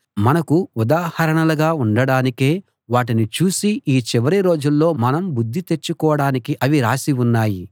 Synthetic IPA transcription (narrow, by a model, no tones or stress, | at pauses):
mɐnɐkuud̪aːhɐɾɐɳɐlɐɡaːuɳɖɐɽaːnikeː | ʋaːʈ̬init͡ʃuːsiʔiːt͡ʃiʋɐɾiɾo̞ːd͡ʒulːo̞ːmɐnɐmbud̪ʱːit̪e̞t͡ʃːukɔːɐɽaːnikiʔɐʋiɾaːsiunːaːji